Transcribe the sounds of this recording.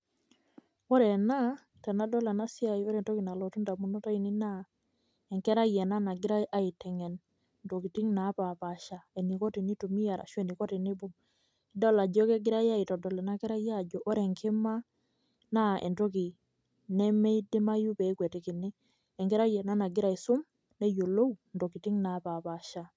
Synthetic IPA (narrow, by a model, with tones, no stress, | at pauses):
o˦ɾɛ˨na˦ | tɛ˨na˦dɔ˦lɛ˨na˦sɪ˦a˨o˦ɾɛ˨nto˦ki˨na˨lɔ˨tu˦nda˨mu˦nɔ˦ta˦i˨nɪ˦na˦ | ɛ˨ŋkɛ˦ɾa˦jɛ˨na˦na˨ɡɪ˦ɾa˦ʔa˦ɪ˨tɛ˨ŋɛ˨n | nto˨ki˨ti˦ŋna˨˦pa˨pa˨ʃa˨e˨ni˨ko˦ti˨ni˦tu˨mi˦ja˨ɾa̰˨ʃwe˨ni˨ko˦ti˨nɪ˦bʊ˦ | i˦dɔ˦la˨d͡ʒɔ˦kɛ˦ɡɪ˦ɾa˦ja˦ɪ˨tɔ˨dɔ˨lɛ˨na˦kɛ˦ɾa˦ja˦˨d͡ʒɔ˨ʔo˦ɾɛ˨ŋkɪ˦ma˦ | na˦ɛ̰˨nto˦ki˨ | nɛ˦mɛ˦i˦di˦ma˦ju˦pɛ˨˦kwɛ˨ti˨kɪ˨nɪ˦ | ɛ˨ŋkɛ˦ɾa˦jɛ˨na˦na˨ɡɪ˦ɾa˦˨i˨sʊ˦m | ne˦jo˨lo˦u˨ndo˨ki˨ti˦ŋna˨˦pa˨pa˨ʃa˦